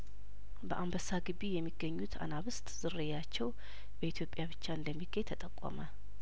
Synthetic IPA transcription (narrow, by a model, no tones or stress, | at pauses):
bəʔambəsaɡɨβijɛmːiɡːəɲːut̪ʰa̰naβɨst̪ʼz̥ɨrːɨjat͡ʃːɛw | b̥əit̪ʰjo̞pʼjaβɨt͡ʃːaɨnd̪əmːiɡ̥ejt̪ʰət̪ʼəkʼːɔ̰mə